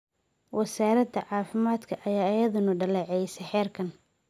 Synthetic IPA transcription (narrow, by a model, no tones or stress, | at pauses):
wɐsaːɾɐd̪ɐʕɑːfɪmaːd̪kʰɐʔɐjaːɪjɐðʊnɐɖɐlɛːʕɛjsɐħɛːrkʰɐn